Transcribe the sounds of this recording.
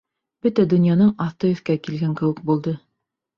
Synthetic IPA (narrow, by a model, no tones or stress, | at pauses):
b̥ɵt̪æd̪ɵ̆njɑnɤɴɑθt̪ɤjɵ̆θkækilɡæŋkɘ̆wɘ̆k̚bulˠd̪ɤ